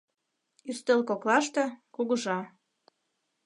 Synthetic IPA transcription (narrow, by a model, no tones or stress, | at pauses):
yst̪elkoklɑʃt̪ĕkuɣɤʒɑ